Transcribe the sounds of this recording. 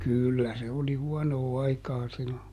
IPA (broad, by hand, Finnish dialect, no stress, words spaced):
kyˑlːæ se oli huɔnoː ɑikɑː silːo